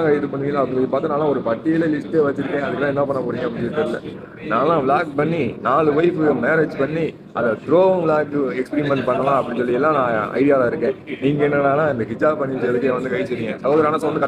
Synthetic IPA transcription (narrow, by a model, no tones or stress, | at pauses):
ŋɡɐðɯpɐɳːɪŋɡɐlãːɐpːɐɽɪ̃sɔlːipaːɾt̪ɯnaːlːãːɔɾɯpɐʈːɪjɪlɐlɪsʈeːʋɐt͡ʃːɪɾɯkːẽːɐðɯkːɯt̪ãːɪnːɐpɐɳːɐpoːɾiːŋɡɐpːɐɽɪnt͡ʃːɯt̪ːɐɾɯlːɐ̰ | nãːlːãːʋlaːkpɐɳːinaːlɯʋɐɪfɯmeːɾed͡ʒpɐɳːi | ʔɐnd̪ɐt̪ɪɾõːlaːkːɯɛkspɛɾimɛɳʈpɐɳːɐlãːɐpːɐɽɪ̃nsɔlːɪjɛlːãːnãːɐ̰ɪðɪjaːlãːɪɾɯkːẽːniːŋɡɐɛnːɐnaːlãːɪnd̪ɐɦɪd͡ʒaːbpɐɳːɪd̪ɐɐlɯkːɪẽʋɐnd̪ɯkɐɪt͡ʃːɛɾɪŋɡẽsɐɣoːðɐɾaːnɐ̃sʋɐnd̪ɯk